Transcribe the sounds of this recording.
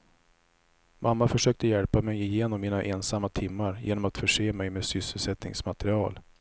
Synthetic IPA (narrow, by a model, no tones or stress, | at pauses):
mamːafœʂøːk̚t̪əjɛlpamɛjɪjeːnɔmːiːnaʔɛnsamːat̪ʰɪmːaɾjḛːnɔmat̪fœʂeːmɛjmeːsʏsːəlsɛt̪nɪ̰ŋsmat̪ɾɪɑːl